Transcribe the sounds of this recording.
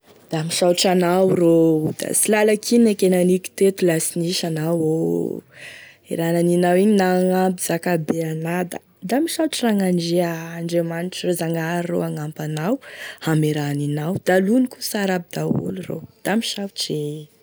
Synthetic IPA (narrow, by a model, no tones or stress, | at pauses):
d̪̥amiʃawʈ͡ʂanawrod̪̥a̰silalakʰinekenaniki̥t̪et̪ulasiniʃanawo | ḛɾananinawiɲinaŋabizakabeanad̪a̰ | d̪amiʃaʈ͡ʂiraŋaɳɖ͡ʐeaːɳɖ͡ʐemaniʈ͡ʂirozaŋaɾro̰aŋampanawhameɾaninawd̪̥alunikusaɾabid̪aṵluro̰d̪̥amiʃawʈ͡ʂe